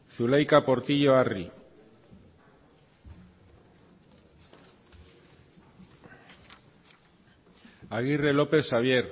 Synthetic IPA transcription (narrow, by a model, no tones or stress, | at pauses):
θulajkapo̞ɾt̪iʎo̞ari | aɣ̞ire̞lo̞pe̞θʃaβ̞je̞ɾ